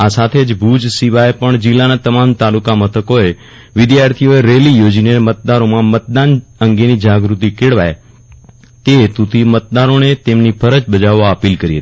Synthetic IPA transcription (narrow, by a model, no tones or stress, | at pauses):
asat̪ʰed͡ʒbʱud͡ʒsiʋaepəɳd͡ʒɪlːanat̪əmamt̪alukamət̪ʰəkoe | ʋɪd̪jaɾt̪ʰijoeɾelijod͡ʒinemət̪̚d̪aɾomãmət̪̚d̪anəŋɡenid͡ʒaɡɾut̪ikeɽʋa̰je | t̪et̪ut̪ʰimət̪̚d̪aɾonet̪emnipʰəɾət͡ʃbəd͡ʒaʋːaəpilkəɾiɦət̪i̥